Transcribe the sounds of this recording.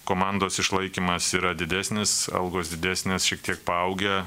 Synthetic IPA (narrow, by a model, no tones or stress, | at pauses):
koːmɑˑnd̪oːsɪʃlˠɐɪkʲiːmɐsiːɾɐd̪ʲɪd̪ʲæːsʲnʲɪsɐ̰lˠɡoːsd̪ʲɪd̪ʲæːsʲnʲeːsʃʲiɛk̚t̪ʲiɛk̚pɐɐʊɡʲɛ